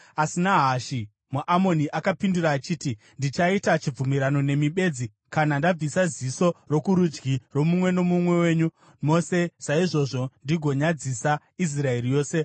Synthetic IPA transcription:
asinaɦaʃi | muʔamo̞niʔakapinduɾaːt͡ʃiːti | ndit͡ʃaitat͡ʃib͡vumiɾano̞ne̞miɓe̞d͡zi | kanandab͡visaziso̞ro̞kuɾud͡ʒɡiro̞mumwe̞no̞mumwe̞we̞ːɲu | mo̞se̞saiʐo̞ʐo̞ndiɡʱo̞ɲad͡zisa | is̬rae̞rijo̞ːse̞

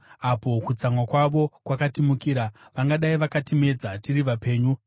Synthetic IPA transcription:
apo̞kut͡samwakwaʋo̞kwakatimukiɾaʋaŋɡaɗaiʋakatime̞d͡zatiriʋape̞ːɲu

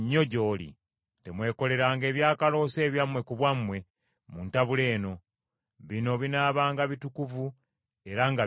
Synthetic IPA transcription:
ɲːo̞ɟo̞ːlḭ | te̞mwe̞ːko̞le̞ɾaːŋɡe̞ːβjaːkalo̞ːse̞ːβjamwe̞kuβwamːwe̞ | muntaβule̞ːno̞ | βino̞βinaːβaːŋɡaβitukuvu | e̞ɾaŋɡa

